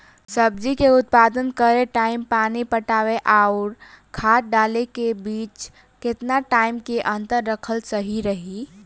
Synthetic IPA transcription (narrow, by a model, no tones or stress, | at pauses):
səbd͡ʒikeʊt̪̚pad̪ənkəɾeʈaːɪmpaːnipəʈaːweʔaʊɾ | kʰaːt̪̚ɖaːlekebiːt͡ʃ | kɪt̪naʈaːɪmkeʔə̃nt̪əɾːəkʰəlsəɦiɾəɦi